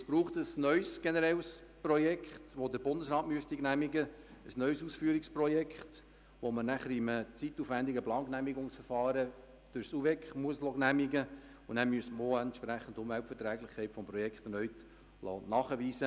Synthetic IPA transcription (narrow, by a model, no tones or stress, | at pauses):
sb̥ɾuːχtəsnœʏsɡ̥enəɾɛlsprɔjɛkʰχtʋodəɾbʊndəsɾɑːtmyəst̪iɡ̥næmiɡəəsnœʏsuːsfyːɾiksprɔjɛkχt | ʋomənæχəɾimət͡sit̪ːuːfʋændiɡəplɑːnknæmiɡʊŋsfəɾfɑːɾə | d̥øɾsuvɛkχmuəslɔɡnæmiɡə | ʊnæmyəsməoɛntʃpɾæχːən̩dʊnʋælpfətɾɛːɡlɪχkʰɛɪtfɔmprɔjɛkχt̪nœʏt | lɔ̰ːnɑːχəʋiːsə